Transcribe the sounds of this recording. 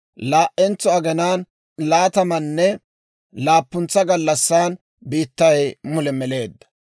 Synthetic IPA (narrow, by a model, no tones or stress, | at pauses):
laːʔɛnt͡sːɔɐɡɛnaːn | laːt̪ɐmɐnːɛ | laːpːʊnt͡sːɐɡɐlːɐsːaːn | biːt̪ːɐjmʊlɛmɛle̞ːd̪ːɐ̥